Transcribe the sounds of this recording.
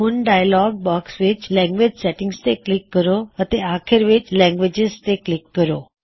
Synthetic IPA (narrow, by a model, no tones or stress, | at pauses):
uːnɖajlɔɡ̚bɔksʋit͡ɕlɛ̃ŋɡʋed͡ʑsɛʈĩŋɡst̪eklikːəɾoət̪eakʰeɾʋet͡ɕlɛ̃ŋɡʋed͡ʑezt̪eklikːəɾo